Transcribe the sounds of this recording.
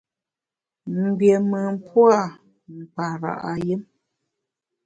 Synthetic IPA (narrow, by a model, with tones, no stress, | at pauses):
m̩˨bje˨mə˨m˦pwa˦˨ | m̩˨pa˨ɾa̰˨ʔa˨ji˦m